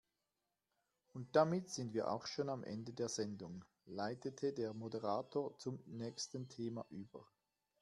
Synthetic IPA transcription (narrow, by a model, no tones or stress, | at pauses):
ʊnt̚d̥amɪtz̥ɪndviːɐʔa̰ʊxʃoːnamʔɛ̰ndədeːɐz̥ɛndʊŋ | laɪtətʰədeːɐmodəʁaːtʰoːɐt͡sʊmnɛːçstəntʰeːmaʔyːbɐ̰